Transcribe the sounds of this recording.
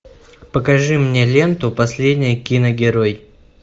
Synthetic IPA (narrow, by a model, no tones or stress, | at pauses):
pəkɐʐɨmnʲelʲe̞nt̪ʊpɐsʲlʲed̪ʲnʲɪjkʲinəɡʲɪɾoj